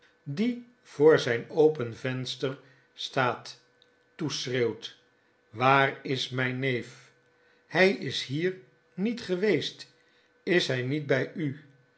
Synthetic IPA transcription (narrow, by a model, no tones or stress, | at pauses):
di | v̥ʊːɹzɛjnowpənvɛnstəɹ | staːtː | usrewt | ʋaːrɪsmɛjnejf | hɛjɪsɦiːɹ | nitχəʋejst | ɪsɦɛjnid̚bɛjy